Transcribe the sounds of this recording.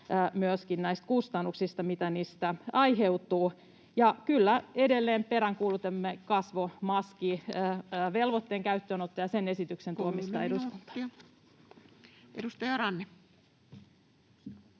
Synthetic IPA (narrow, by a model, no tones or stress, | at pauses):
myøskinnæist̪̚kust̪ɑnːuksist̪ɑmit̪æniːst̪æɑiɦeut̪uː | jɑkylːæedelːeːmpeɾæŋkuːlut̪emːekɑsʋomɑski | ʋelʋot̪ːeːŋkæyt̪ːøːnot̪ːɑjɑsene̞sit̪yksent̪uomist̪ɑeduskunt̪ɑ̥ | edust̪ɑjɑɾɑnːe